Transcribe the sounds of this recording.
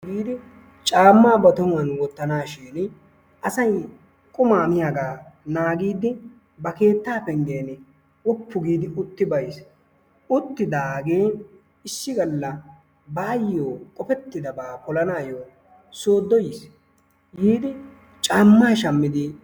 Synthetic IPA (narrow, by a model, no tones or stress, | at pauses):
ɡiːd̪ɪ | t͡ʃʼaːmːaːbɐt̪ɔmʊɐnwɔt̪ːɐnaːʃeːn | ʔɐsɐj | kʼʊmaːmɪjaɡaːnaːɡiːd̪ɪ | bɐke̞ːt̪ːaːpɛŋɡe̞ːn | wɔpːʊɡiːd̪ɪʔʊt̪ːɪbɐjs | ʊt̪ːɪd̪aːɡe̞ː | ɪsːɪɡɐlːɐ | baːjːoːkʼɔpɛt̪ːɪd̪ɐbaːkɔlɐnaːjoː | soːd̪ːɔjɪs | ɡiːd̪ɪ | t͡ʃʼaːmːaːʃɐmːɪd̪ɪ